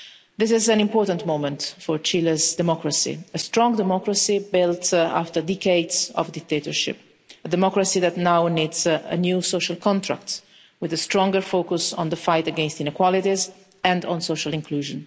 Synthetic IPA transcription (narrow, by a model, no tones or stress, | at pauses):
d̪ɪs̬ɪzæ̃nĩmpɔːɹt̪ə̃nt̪momɛ̃ntfɔɹt͡ʃiləzd̪ɛmɔkɾasḭəst̪ɾɔ̃ŋɡd̪ɛmɔkɾasibɪlt̪a̰ft̪əɹd̪ikeɪdzɔ̰vd̪ɪk̚t̪et̪ɔɹʃɪ̰p̚ | əd̪ɛmɔkɾasiðæt̪nawniːdzə̰njuːsoʃalkʰɔ̃nt̪ɾa̰k̚t̪ | wɪðəst̪ɾɔ̃ŋɡəɹfoːkusɔ̰̃nd̪əfajt̪əɡɛ̃nst̪ɪ̃nɪkwɔlit̪iz | ɛ̃nd̪ɔ̃nsoʃalĩŋkʰluːʒə̃n